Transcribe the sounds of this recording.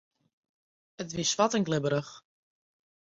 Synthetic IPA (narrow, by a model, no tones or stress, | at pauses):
ətʋɪsfatɪŋɡlɪbəɾəx